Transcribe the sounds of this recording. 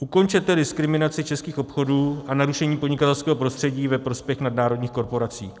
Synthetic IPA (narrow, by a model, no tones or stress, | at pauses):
ʔuko̞nt͡ʃɛt̪ɛdɪskɾɪmɪnat͡sɪt͡ʃɛskiːxopxo̞duːʔanaɾuʃɛɲiːpodɲɪkat̪ɛlskɛːɦo̞pɾo̞st̪r̥ɛɟiːvɛpɾo̞spjɛxnadnaːɾo̞dɲiːxko̞ɾpo̞ɾat͡sḭː